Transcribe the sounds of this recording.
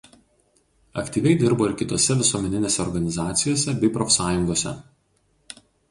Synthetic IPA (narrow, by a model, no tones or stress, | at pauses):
ɐkt̪ʲiːʋʲɛɪd̪ʲɪɾboːɪɾkʲɪt̪oːsʲɛʋʲɪsuɔmʲɛnʲɪnʲeːsʲɛɔɾɡɐnʲɪzɑːt̪sʲɪjoːsʲɛbʲɛɪpɾoːfʲsɑːjʊŋɡoːsʲɛ̰